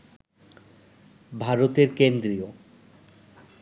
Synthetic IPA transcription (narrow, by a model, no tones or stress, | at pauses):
bʱaɾot̪eɾkend̪ɾio